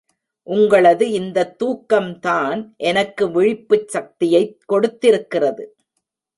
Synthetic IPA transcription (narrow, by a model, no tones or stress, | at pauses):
ʔʊŋɡɐɭɐðɯɪnd̪ɐt̪ːuːkːɐmt̪aːnʔɛnɐkːɯʋɪɻɪpːɯt͡ʃsɐk̚t̪ɪjɐɪkːɔɽɯt̪ːɪɾɯkːɪrɐðɯ